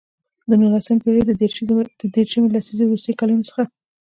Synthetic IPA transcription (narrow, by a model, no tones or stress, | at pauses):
d̪ənulasəmpeɾed̪d̪̥əd̪eɾʃamelasizowɾust̪əjkɑlunosə̥xa